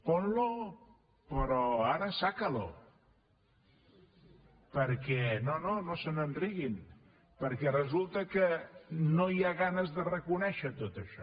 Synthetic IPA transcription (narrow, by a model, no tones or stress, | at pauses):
ponlo | pɾɔaɾəsakəlo̰ | pəɾkɛnononosənənriɣin | pəɾkɛrəzulˠt̪əkənoiaɣanəzðərəkunɛʃət̪ot̪əʃɔ